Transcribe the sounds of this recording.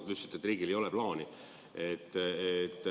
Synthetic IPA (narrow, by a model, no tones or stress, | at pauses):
ysi̥t̪ːet̪ːˑriːɡilejo̞lɛplɑːni | et̪ːet̪ː